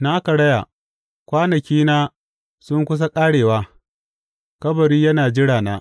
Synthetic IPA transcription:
naː˦kɐ˨ɽɐ˦ja̰˨ | kʷaː˦nɐ˨kʲiː˦naː˦ | sʊ˦ŋkʷʊ˦s̬a˦kʼaː˦ɽeː˨waː˦ | kɐ˦bɐ˨ɾiː˦jɐ˦naː˨d͡ʒɪ˦ɽaː˨naː˦

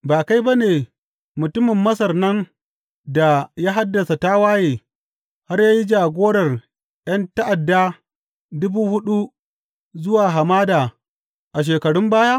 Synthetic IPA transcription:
baː˨ka˦jba˦neː˨ | mʊ˨tʊ˦mɪ˨mːɐ˦sɐ˨rnɐ˦n | da˨jaː˦ɦa˦dːɐ˨sa˨taː˦waː˦jeː˨ | ha˦rjaː˦ji˦d͡ʒaː˨ɡʷoː˦ɽɐ˨r | j̰ɐ˦nta˦ʔa˨dːa˦ | dʊ˦buː˦hʊ˦ɗu˦ | zʊ˦waː˨ɦa˨maː˦daː˨ | ʔa˨ʃ̬eː˨kɐ˨ɽʊ˦mbaː˦jaː˦

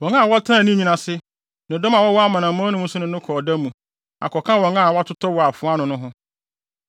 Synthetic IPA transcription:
wɔ̃˨ŋa˦˨wɔ˦tʰã˦˨nĩ˦ɲĩ˦nã˨sɪ˦ | nʊ̃˨dɔ˦ma˨wɔ˦wɔ˦a˦mã˨nã˨mɔ̃˦nʊ̃˦mũ˦sʊ˦nʊ̃˦nʊ̃˦kʰɔː˨da˦mũ˨ | a̰˨kʰɔ˨kʰã˦wɔ̃˨ŋa˦˨wɔ˦a˦tʰʊ˦tʰɔ˦wɔ˨a˨fʊ˨˦a˦nʊ̃˨nʊ̃˦ɦʊ̃˦

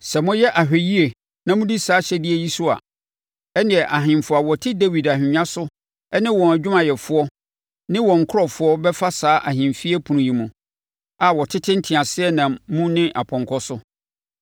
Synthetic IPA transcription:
sɛ˨mʊ̃˦jɛ˦ʔa˨ɦᶣe˨ji˦e˨ | nã˨mʊ̃˦di˦saː˨˦ɕɛ˦dɪ˦e˦ji˦su˦a̰˨ | ɛ˦nɪ̃˨ɛ˨ʔa˨ɦɪ̃˨mfʊ˨a˨wɔ˨tʰɪ˦de˦wi˨da˨hᶣɪ˨ɲã˦sʊ˦ | ɛ˦nɪ̃˦wɔ̃˨næ˨d͡ʑᶣʊ˦mã˨jɛ˨fʊ˦ɔ˦ | nɪ̃˦wɔ̃˨ŋ̩˨kʰʊ˦ɾɔ˨fʊ˦ɔ˦bɛ˦fa˦saː˦ʔa˨ɦɪ̃˨mfi˦ɛ˦pʰũ˨nũ˨ji˨mũ˨ | a˨wɔ˨tʰɪ˦tʰɪ˦n̩˦tʰɪ̃˨ã˨sɪ˦ɛ˦nã˨mmũ˦nɪ̃˦ʔa˨pʰɔ̃˨ŋkʰɔ˦sʊ˦

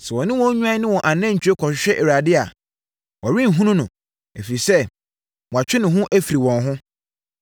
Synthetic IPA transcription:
sɛ˨wɔ̃˨nɪ̃˦wɔ̃˦ɲᶣũ˦ã˦nɪ̃˦wɔ̃˨ʔa˨nã˦ɲ̩˨t͡ɕʰᶣe˦kʰɔ˨ɕᶣɪ˨ɕᶣɛ˦ʔe˨ɾa˨dɪ˦a˨ | wʔɔ˨ɾĩ˦n̩˨ɦũ˦nʊ̃˦nʊ̃˨ | e˨fi˨ɾi˨sɛ˦˨ | mɔ̃˨a˨t͡ɕᶣɪ˦nɪ̃˨ɦʊ̃˦ʔæ˦fi˨ɾi˨wɔ̃˨nɦʊ̃˦

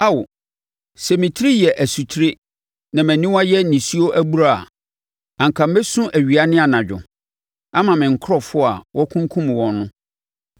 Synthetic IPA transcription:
a˦wʊ˨ | sɛ˨mĩ˨tʰɾi˦jɛ˨ʔæ˨su˨tʰɾe˦ | nã˨mæ̃˨nĩ˦wa˦jɛ˦nĩ˨si˦o˦ʔæ˦bu˦ɾa˦˨a̰˨ | ã˨ŋ˨kʰã˨m̩˦be˦sʊ̃˦ʔæ˨ɥi˨a˨nɪ̃˦a˨nã˨d͡ʑᶣʊ̰˨ | a˦mã˨mɪ̃˨ŋ̩˨kʰɾɔ˨fʊ˦a̰˨wʔɔ˦kʰũ˦ŋ˦kʰũ˦m˨wɔ̃˨nː˦ʊ̃˦

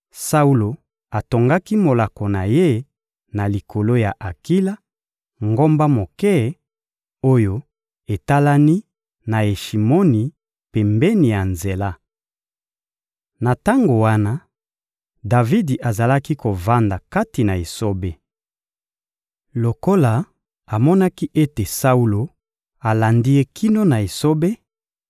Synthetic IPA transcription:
sa˦u˦lo˨ | a˨to˨ŋɡa˦ki˦mo˨la˨ko˨na˨je˦ | na˨li˨kʰo˨lo˦ja˨ʔa˨ki˦la˦ | ŋɡo˦mba˦mo˨kɛ˦˨ | o˦jo˦ | e˨ta˦la˦ni˦ | na˨e˨ʃi˨mo˦ni˨ | pɛ˨mbɛ˦ni˨ja˨nze˨la˦ | na˨ta˦ŋɡo˨wa˦na˦ | da˨vi˦di˨ʔa˨za˨la˦ki˦ko˨va˦nda˨ka˦ti˨na˨e˨so˦be˦ | lo˨ko˦la˨ | a˨mɔ˦na˦ki˦ʔe˦te˨sa˦u˦lo˨ | a˨la˨ndi˦je˦kʰi˦no˦na˨e˨so˦be˦

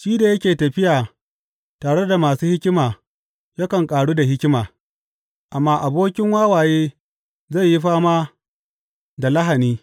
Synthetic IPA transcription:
ʃiː˦da˨jɐ˦kʲeː˨tɐ˨ɸɪ˦jaː˨ | taː˨ɽe˦da˨maː˨suː˦hɪ˦kʲɪ˦maː˨ | ja˦kɐ˨ŋkʼaː˨ɽuː˦da˨hɪ˦kʲɪ˦maː˨ | ʔa˨mːaː˦ʔa˨boː˦kʲɪ˦ŋwaː˦waː˨jeː˦ | zɐ˦˨jːi˦ɸaː˦maː˦ | da˨lɐ˦ɦa˨niː˦

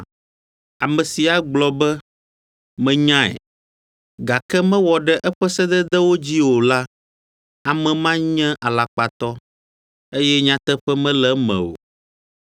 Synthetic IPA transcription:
a˨mɛ̃˨si˨a˨ɡ͡blɔ˨bɛ˦ | mɛ̃˨ɲã˦ɛ̰˨ | ɡa˨kɛ˦mɛ̃˦wɔ˨ɖɛ˦ʔɛ˦ɸɛ˦sɛ˦d̪ɛ˦d̪ɛ˦wo˦d͡ʑi˦wo˨la˦ | a˨mɛ̃˨mã˦ɲɛ̃˦ʔa˨la˨k͡pa˨t̪ɔ˦ | e˦jɛ˦ɲã˦t̪ɛ˦ɸɛ˦mɛ̃˦lɛ˨mɛ̰̃˨o̰˨

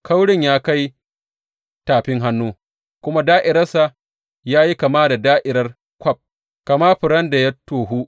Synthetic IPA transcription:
ka˦wɽɪ˦˨ɲjaː˦ka˦j | taː˨ɸɪ˦ŋɦa˦nːuː˦ | kʷʊ˦ma˦daː˦ʔɪ˨ɾɐ˦rsa˨ | jaː˦ji˦ka˨maː˦da˨daː˦ʔɪ˨ɾɐ˦r | kʷɐ˦p̚ | ka˨ma˦ɸɪ˨ɽɐ˦nda˨jɐ˦tːoː˨ɦu˦

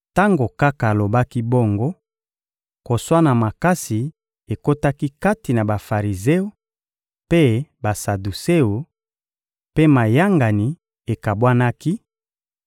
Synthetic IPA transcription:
ta˦ŋɡo˨ka˦ka˨lo˨ba˦ki˦bo˦ŋɡo˦ | ko˨swa˦na˨ma˨ka˦si˨ | e˨ko˦ta˦ki˦ka˦ti˨na˨ba˨fa˨ʁi˨ze˦o˨ | pe˦ba˨sa˨du˨se˦o˨ | pe˦ma˨ja˦ŋɡa˨ni˨ | e˨ka˨bwa˦na˦ki˦

